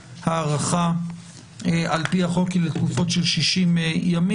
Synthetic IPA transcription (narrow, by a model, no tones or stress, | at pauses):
haːʁaχa | eʔalpihaχo̞kilet̪kufo̞tʃelʃiʃimejami